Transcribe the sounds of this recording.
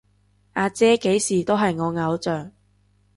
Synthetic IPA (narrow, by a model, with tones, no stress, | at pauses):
ʔaː˨˧t͡sɛː˥ke˨˥jsiː˨˩t̪o˥wɦɐ˨jŋɔː˨˧ŋɐ˨˧wt͡sœː˨˩ŋ